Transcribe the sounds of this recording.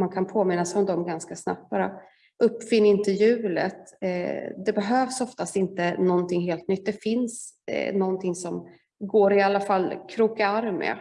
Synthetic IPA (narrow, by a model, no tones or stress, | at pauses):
mankʰanpʰoːmɪnːasɛjɔmd̪ɔmɡanskasna̰p̚t̪̚b̥aːɾa̰ | ʔɵpːfɪnːaɪnt̪əjʉ̟ːlə̰t̪ | d̪ɛbɛɦøːvsɔft̪ast̪ɪnt̪ənɔnt̪ʰɪŋːɦeːlt̪nʏt̪̚ːd̪ɛfɪns | nɔnt̪ʰɪŋsɔm | ɡoːɾɪalːafalːkʰɾuːkaaɾmɛ̰